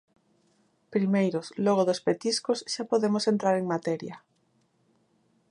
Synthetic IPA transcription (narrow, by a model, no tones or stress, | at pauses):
pɾimejɾosloɣ̞oðospet̪iskosʃapoðemosent̪ɾaɾeŋmat̪ɛɾjɐ